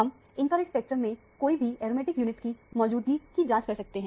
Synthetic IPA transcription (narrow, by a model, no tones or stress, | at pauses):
ɦɐm | ɪ̃nkəːlɪkspɛːk̚ʈɾəmːẽ | koːibʱiɛːɾmeːʈɪkjuːnɪʈkimɔːd͡ʒuːd̪̚ɡikid͡ʒãːt͡ʃkɐɾsɐk̚t̪eɦɛ̃